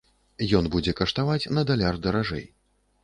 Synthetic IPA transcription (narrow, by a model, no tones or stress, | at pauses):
jɔnbud͡zʲɛkɐʂt̪avat͡sʲnɐd̪alʲard̪ɐɾaʐɛ̰j